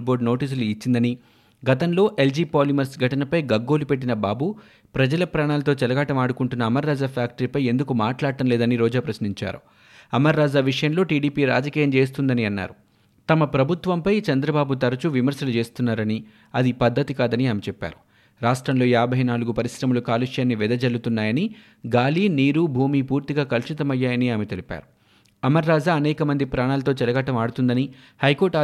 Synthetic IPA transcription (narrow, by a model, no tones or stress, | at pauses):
bo̞ːɾɖno̞ːʈiːs̬uluit͡ʃːind̪ɐni | ɡɐt̪ɐnlo̞ːʔeld͡ʒiːpaːlimɐɾsɡʱɐʈɐnɐpɐjɡɐɡːo̞ːlupe̞ʈ̬ːinɐbaːbu | pɾɐd͡ʒɐlɐpɾaːɳaːlɐt̪o̞ːt͡ʃɛlɐɡaʈɐmaːɽukuɳʈunːɐːmɐɾːaːd͡ʒaːpʰjaːk̚ʈɐɾipɐje̞nd̪ukumaːʈlaːɽʈɐmleːd̪ɐniɾoːd͡ʒaːpɾɐsniɲt͡ʃa̰ːɾṵ | ɐmɐɾːaːd͡ʒaːʋiʂɐjɐmlo̞ːʈiːɖiːpiːɾa̰ːd͡ʒɐkiːjɐmt͡ʃe̞ːst̪und̪ɐniɐnːa̰ːɾu | t̪ɐmɐpɾɐbʱut̪ʋɐmpɐjt͡ʃɐnd̪ɾɐbaːbut̪ɐɾɐt͡ʃuʋimɐɾsɐlut͡ʃe̞ːst̪unːaːɾɐni | ɐd̪ipɐd̪ːɐt̪ikaːd̪ɐniaːmet͡ʃɛpːa̰ːɾu̥ | ɾaːʂʈɾɐmlo̞ːjaːbʱɐjnaːluɡupɐɾisɾɐmulukaːluʂjaːnːiʋɛd̪ɐd͡ʒɐlːut̪unːaːjɐni | ɡaːliːniːɾubʱuːmiːpuːɾt̪iɡaːkɐlʃit̪ɐmɐjːaːjɐniaːmet̪e̞lipa̰ːɾu | ɐmɐɾːaːd͡ʒaːɐnɛːkɐmɐnd̪ipɾaːɳaːlɐt̪oːt͡ʃɛlɐɡɐʈːɐmaːɽut̪und̪ɐni | hɐjko̞ːɾaː